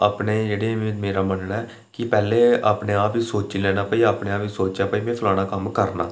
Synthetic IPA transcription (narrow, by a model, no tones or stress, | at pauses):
aːpneːd͡ʒeːɽeːmeːɾaːmənɽaɛː | kɪpɛːleːa̰ːpneːaːpʋiːsoːt͡ʃilɛːnaːpaːiːaːpnẽːaːpʋiːsoːt͡ʃjaːpaːiːmɛ̃ːpʰəlaːɽ̃aːkəmkəɾnaː